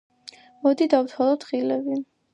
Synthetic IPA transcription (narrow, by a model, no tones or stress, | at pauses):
mɔd̪id̪awt̪ʰwalˠɔt̪χilɛbi